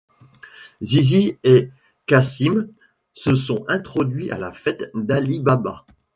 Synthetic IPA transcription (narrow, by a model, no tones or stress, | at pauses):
zizie | kasim | səsɔ̃ɛ̃t̪χɔd̪ɥiʔa̰lafɛt̪d̪alibaba